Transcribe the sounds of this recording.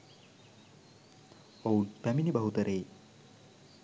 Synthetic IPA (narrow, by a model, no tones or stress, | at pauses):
ounpæminibɐɦut̪ɐɾeː